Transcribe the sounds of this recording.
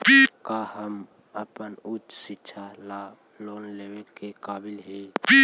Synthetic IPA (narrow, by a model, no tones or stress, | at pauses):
bikaɦəm | əpənʊtsɪtːʃʰala | loːnlewekekaːbilɦebi